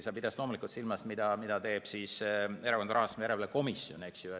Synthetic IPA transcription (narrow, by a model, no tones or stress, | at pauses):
sɑːpid̪̥ɑstlo̞ːmulikult̪silmɑst̪mid̪̥ɑmid̪̥ɑt̪e̞ːb̥sise̞ɾɑkond̪ɑɾɑhɑst̪umjæɾevɑleko̞misjo̞̰neksju